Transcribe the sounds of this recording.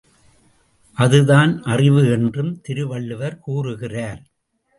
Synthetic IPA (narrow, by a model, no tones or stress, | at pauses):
ʔɐðɯðaːnʔɐrɪʋɯɛndrɯmt̪ɪɾɯʋɐɭːɯʋɐɾkuːrɯɣɪraːɾ